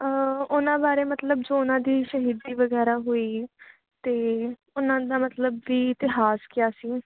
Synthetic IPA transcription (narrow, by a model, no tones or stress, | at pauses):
ʊnãːbaːɾeːmət̪ləbd͡ʒoːʊnãːd̪iːʃəɦiːd̪iːʋəɡɛːɾaːɦoːiː | t̪eː | ʊnãːd̪aːmət̪ləbːiːɪt̪ɪɦaːskɪjaːsiː